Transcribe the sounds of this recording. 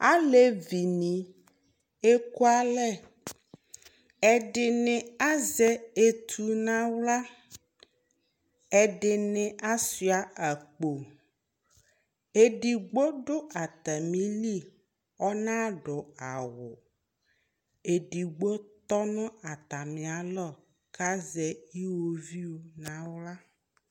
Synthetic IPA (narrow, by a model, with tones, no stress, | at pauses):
a˦le˦vi˨nĩ˨ | e˦ko˦a˦lɛ˦ | ɛ˨ɖɪ˨nẽ˨a˦zɛ˦e˦t̪ʰu˨nã˦wla˦ | ɛ˨ɖɪ˨nẽ˨ʔa˦si˨˦a˨a˨k͡po˨ | e˦ɖi˨ɡ͡bo˦ɖʊ˦ʔa˨t̪a˨mĩ˦li˦ | ɔ˦nã˦ɖʊ˨a˨wʊ˨ | e˨ɖi˨ɡ͡bo˦t̪ɔ˦nɔ̃˦a˨t̪a˨mĩ˨a˨lɔ˦˨ | ka˦zɛ˨ji˦wo˦vi˦wo˦nã˨wla˦